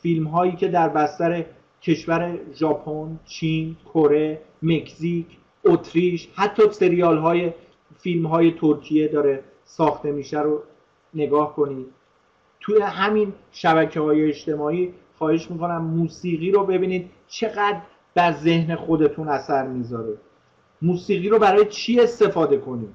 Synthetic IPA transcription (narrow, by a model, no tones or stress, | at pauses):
filmɦɒːjiːkcʰe̞d̪æɾbæst̪æɾe̞ | cʰe̞ʃvæɾe̞ʒɒːpʰont͡ʃʰinkʰoɾe̞me̞kʰsicʰ | ot̪ʰɾiʃhæt̪ʰːɒːse̞ɾijɒːlɦɒːje̞ | filmɦɒːje̞t̪ʰoɾkʰije̞d̪ɒːɾe̞ | sɒːxt̪e̞miːʃæɾo | ne̞ɡɒːhko̞niːd̪̥̚ | t̪ʰuje̞ɦæminʃæbæcʰehɒːjeːt͡ʃt̪e̞mɒːiː | xɒːhe̞ʃmiːko̞næmːuːsiːɣiːɾobe̞biːniːd̪̥̚ | t͡ʃʰe̞ɣæd̪ɾ | b̥̪æɾze̞hne̞xo̞d̪e̞t̪ʰunæsæɾmiːzɒːɾi | muːsiːɣiːɾobæɾɒːjet͡ʃʰiːe̞st̪e̞fɒːd̪e̞kʰo̞niːd̪̥